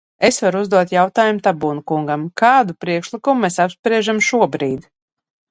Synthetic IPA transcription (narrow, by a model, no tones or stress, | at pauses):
esvaɾuzd̪uɔt̪jawt̪aːjumut̪abuːnukuŋɡamkaːd̪upɾiɛkʃlˠikumumesapspɾiɛʒamʃuɔbɾiːd̪